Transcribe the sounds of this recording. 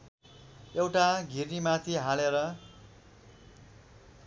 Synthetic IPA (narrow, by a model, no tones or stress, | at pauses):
ewʈaɡʱirnimat̪ʰiɦaleɾʌ